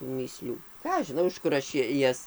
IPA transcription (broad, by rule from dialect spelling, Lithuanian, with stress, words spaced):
tuː mʲiːˈsʲlʲuː ˈkɑː ɐʃ ʒʲɪˈnɐʊ ɪʃ ˈkʊr ɐʃ ˈjɛs